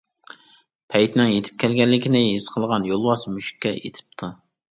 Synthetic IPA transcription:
pʰɛjt̪nɪŋjet̪ʰɪ̥p̚kʲʰɛlɡʲɛlːɪkʲʰinɪɦisqʰəlˠʁɑnjolˠwɑsmyʃi̥kʲːɛḛt̪ʰɪ̥p̚t̪ʰu

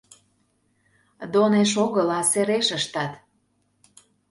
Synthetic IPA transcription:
d̪oneʃ̬oɣəlɑseɾeʃəʃt̪ɑt̪

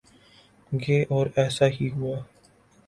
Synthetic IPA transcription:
ɡeːʔɔːɾɛːsaɦiɦʊaː

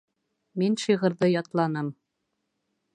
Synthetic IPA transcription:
mʲenʲʃiʁɤ̆rd̪ɤ̆jɑt̪lˠɑnɤ̆m

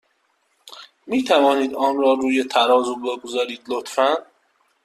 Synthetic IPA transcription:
miːt̪ʰævɒːniːd̪ɒːnrɒːɾuːjet̪ʰæɾɒːzube̞ɡozɒːɾiːd̪lot̪fæn

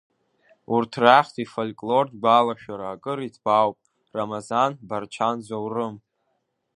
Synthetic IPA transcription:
urtʰraχʲtʰifolʲkʼlo̞rdɡʷalaʃᶣaɾaːkʼɨɾitʰb̥awpʼ | ramazanbart͡ʃʰanzowrɨm

